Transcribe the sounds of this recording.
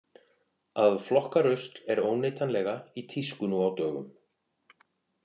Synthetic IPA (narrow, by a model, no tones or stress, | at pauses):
aðflɔhkaɾʏst̪lɛɾoːwneːjt̪ʰanlɛɣait̪ʰiskʏnuawt̪œːɣʏ̰m